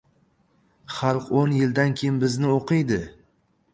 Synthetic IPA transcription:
χɑlˠqʰonjɪld̪ankʲʰejɪnbɪznɪoqɨjd̪ɪ

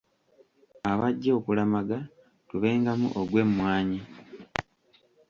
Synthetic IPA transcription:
aβaɟːo̞ːkulamaɡa | tuβe̞ːŋɡamṵʔoɡwe̞mwaːɲi

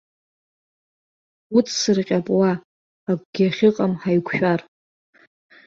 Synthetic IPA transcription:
utʰsɨrqʲʼapʼwaː | kʷʼɡʲiaχʲɪqʼamħajkʷʰʃᶣar

